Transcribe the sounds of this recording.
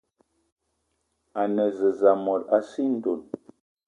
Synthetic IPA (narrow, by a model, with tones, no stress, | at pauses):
a˨nə˨zə˨za˨mɔ˨ta˦si˦n̩˦˨do˨n